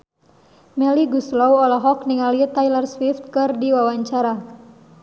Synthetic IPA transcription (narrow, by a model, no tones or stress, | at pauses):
mɛliɡuslɔwɔlaɦɔk̚niŋalit̪ajlərswift̪̚kɨrdiwawaɲt͡ʃaɾa